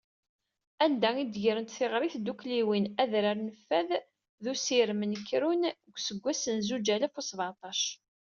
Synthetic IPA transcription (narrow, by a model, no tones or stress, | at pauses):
ænd̪æid̪ʝɾənt̪θɪʁɾɪθd̪ukliwinæðɾəɾnəfːæð | ðusiɾmənəkːɾunɡʷsəɡʷːæsənzud͡ʒælæfusˤvʕɑt̪ˤɑʃ